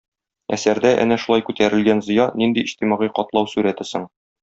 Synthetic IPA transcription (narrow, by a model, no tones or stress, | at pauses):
æ̰sæɾd̪æʔæ̰næʃulɑjkʉt̪æɾɘ̆lɡænzɤ̆jɑnind̪iʔiʑt̪imɑʁiqɒt̪lˠɑwsʉɾæt̪ɘsɘɴ